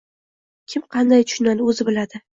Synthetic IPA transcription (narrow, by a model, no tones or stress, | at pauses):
kʲʰɪmqʰɑnd̪ajt̪ʰʊ̥ʃʊnanɪɵzɪbɪlad̪ɪ